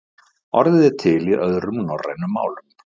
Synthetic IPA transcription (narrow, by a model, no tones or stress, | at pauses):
ɔ̰ɾðɪðɛɾt̪ʰɪliʔœðɾʏmnɔrːa̰jnʏmːa̰ːwlʏm